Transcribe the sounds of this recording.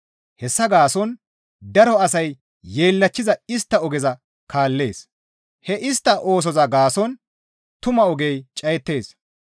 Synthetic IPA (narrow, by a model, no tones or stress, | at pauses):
hɛsːɐɡaːsɔn | d̪ɐɾɔɐsɐj | jːeːlːɐt͡ʃːɪzɐɪst̪ːɐɔɡɛzɐ | kaːlːe̞̰ːs | hɛʔɪst̪ːɐʔoːs̬ɔzɐɡaːsɔn | t̪ʊmɐɔɡejt͡ʃʼɐjɛt̪ːe̞ːs